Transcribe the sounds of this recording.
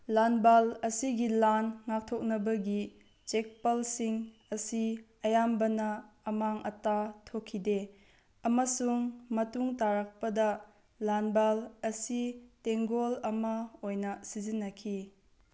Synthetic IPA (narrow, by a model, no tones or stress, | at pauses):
lanbalɐsiɡilanŋak̚tʰok̚nɐbɐɡi | t͡ʃek̚pɐlsiŋ | ɐsi | ɐjambɐnɐːmaŋɐtatʰokʰːide | ɐmɐsuŋmɐtuŋtaɾak̚pɐdɐ | lanbalɐsiteŋɡolɐmɐojnɐsizinːɐkʰi